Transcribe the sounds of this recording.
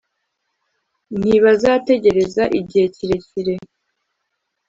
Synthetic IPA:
n̥iβazaːte̞ɟe̞ɾe̞zaʔiɟihe̞ciɾe̞ciɾe̞

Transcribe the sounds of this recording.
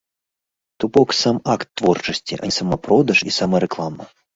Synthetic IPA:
t̪upɔksamakt̪ːvort͡ʂɐsʲt͡sʲḭʔɐa̰isɐmɐprod̪ɐʂisamɐɾɛklˠamɐ̰

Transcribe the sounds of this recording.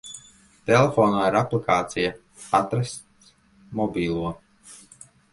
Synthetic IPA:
t̪ɛlefɔːnaːiɾaplikaːt̪sija | at̪ɾas | mɔbʲiːlˠuɔ

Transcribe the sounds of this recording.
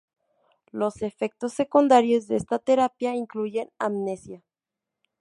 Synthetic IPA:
lo̞se̞fe̞k̚t̪o̞sːe̞kund̪aɾjo̞zðeest̪at̪e̞ɾapjaiŋkluʝe̞namne̞sja

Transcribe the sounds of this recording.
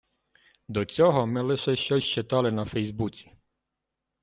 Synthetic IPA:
d̪ɔt͡sʲɔɦɔmɪlˠɪʃɛʃt͡ʃɔsʲt͡ʃet̪ɑlˠɪnɐfɛjzbut͡sʲi̥

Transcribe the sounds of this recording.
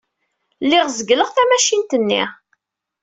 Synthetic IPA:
lːɪʁzəɡləʁθæmæʃint̪ənːḭ

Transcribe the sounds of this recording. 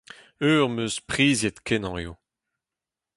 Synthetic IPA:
øːʁmøspχiːzjet̪kʰɛnɑ̃ḛo

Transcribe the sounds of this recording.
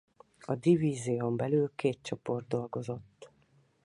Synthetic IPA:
ɒd̪iviːzeombɛlyːlkeːt̪̚t͡ʃopo̞rd̪̚d̪o̞lɡo̞zo̞t̪ː

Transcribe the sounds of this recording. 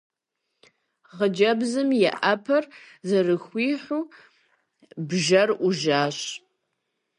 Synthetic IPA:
ʁəd͡ʒɐbzɨmjɛ̰ʔɐpʰɐr | zɐrɨxʷiːħʷuː | bʒɐrʔʷʊʒaːɕ

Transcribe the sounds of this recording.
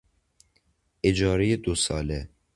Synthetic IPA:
ed͡ʒɒːɾijed̪osɒ̰ːle

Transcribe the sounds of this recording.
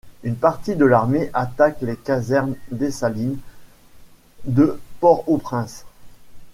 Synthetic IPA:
ynpaʁt̪id̪əlaʁmeʔat̪aklekazɛʁnd̪esalin | d̪əpɔʁopχɛ̃s

